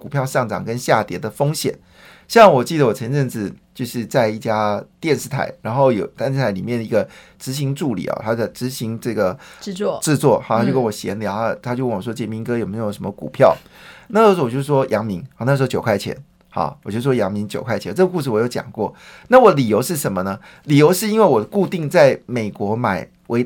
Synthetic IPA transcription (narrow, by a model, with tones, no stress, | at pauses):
ku˨˩pʰjɑ˥˧ʊʂɑ˥˩ŋʈ͡ʂɑ̰˨˩ŋkə˦nɕja˥˩t̪jɛ˧˥d̪ə˨fo˥ŋɕjɛ̰˨˩˦n | ɕjɑ˥˩wɔ˨˩t͡ɕi˥˩d̪ə˩wɔ˨˩t͡sʰə˧˥nʈ͡ʂə˥˧nt͡s̩˨˩t͡ɕjo˥˧ʊʂɻ̩˥˧t͡sa˥˧ɪi˥˩t͡ɕja˥t̪jɛ˥˧nʂɻ̩˥˩t̪ʰa̰˨˧˩ɪɻa˧˥nxo˥˩ʊjo˨˩ʊt̪nʂ̩ʰ˥˩a˧˥ɪli˨˩mjɛ˥˩d̪ə˩i˧˥ɡə˧ʈ͡ʂɻ̩˧˥ɕ̬i˧˥ŋʈ͡ʂu˥˩lḭ˨˩ɐ̰˨˩t̪ʰa˥jo˥˧˩ʈ͡ʂɻ̩˧˥ɕi˧˥ŋʈ͡ʂɤ˥˩ɡə˩˧˥ʈ͡ʂɻ̩˥˧t͡swɔ˥˩xɑ˨˩at͡ɕo˥˧kə˥wɔ˨˩ɕjɛ̰˧˥nli˨˩˧t̪ʰa˥t͡ɕjo˥˧ʊwwɔ˥t͡ɕjɛ˧˥mi˧˥ŋkɤ˥jo˨˩me˧˥ɪjo˨˩ʊʂə˧˦mə˧kṵ˨˩pʰjɑ˥˩ʊ | n˥˩˧ʂɻo˥wɔ˨t͡ɕjo˥˧ʂ̩˥˩wɔ˥jʔɑ˧˥ŋmi˧˥ŋɑ˨˩n˥˩ʂɻ̩˧˥t͡ɕjo˨˩ʊkʰwa˥˩ɪt͡ɕʰjɛ̰˧˥n | hɑ̰˨˧wt͡ɕo˥˩ʂ̩˥˩wɔ˥jɑ˧˥ŋmi˧˥ŋt͡ɕjo˨ʊkʰa˥˩ɪt͡ɕʰɛ˧˦˥ʈ͡ʂɤ˥˩ɡə˧ku˥˧ʂɻ̩˥˩wɔ˨˩jo˥˩ʊt͡ɕɑ̰˨˩ŋkwɔ˥˩ | na˥˩wɔ˨˩d̪ə˦li˨˩jo˧˥ʊʂɻ̩˥˩ʂə˧˥nmə˧nə˧ | li˨˩jo˧˥ʊʂɻ̩˥˧i˥nwe˥˩ɪwɔ˨˩d̪əku˥˧t̪i˥˧ŋt͡sa˥˩ɪme˨˩ɪkwɔ˧˥ma˨˩ɪ | wʔe˧˥ɪ